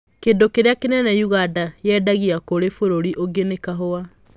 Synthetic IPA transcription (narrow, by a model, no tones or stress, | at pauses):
kendokeɾeakenɛnɛjuɣadajɛdaɣiakoɾefoɾoɾiʔoɡenekaɦoa